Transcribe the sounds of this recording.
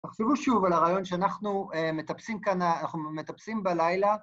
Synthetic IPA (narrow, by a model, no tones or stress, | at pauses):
t̪eχʃevuʃuvalaʁaːjo̞nʃeanaχnuemet̪apsimkanaanaχnume̞t̪apsimbalajla